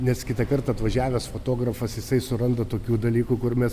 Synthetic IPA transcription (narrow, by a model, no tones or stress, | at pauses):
nʲɛskʲɪt̪ɐkɐrt̪ɐɐt̪ʋɐʒʲæːʋʲɛsfoːt̪oːɡɾɐfɐsjɪsɐɪsʊɾɐnd̪ɐt̪oːkʲuːd̪ɐlʲiːkuːkʊɾmʲɛs